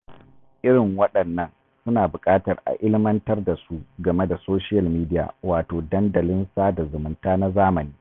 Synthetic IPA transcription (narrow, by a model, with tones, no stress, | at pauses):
ʔɪ˦ɽɪ˨ŋwɐ˦ɗɐ˨nːɐ˦n | sʊ˦naː˨bʊ˨kʼaː˦tɐ˨rʔa̰˨ʔɪ˦lɪ˦mɐ˦ntɐ˦rda˨su˦ɡɐ˨me˦da˨soː˦ʃɪ˦jɐ˨lmiː˦dɪ˦ja̰ː˨waː˨toː˨dɐ˦ndɐ˨lɪ˦nsaː˦da˨zʊ˨mʊ˦ntaː˦na˦zaː˦mɐ˨niː˦